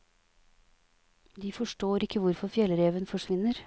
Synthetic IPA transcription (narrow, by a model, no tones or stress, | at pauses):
d̪iːfɔʂʈoːɾɪkəʋʊɾfɔfjɛlɾeːʋənfɔʂʋɪnəɾ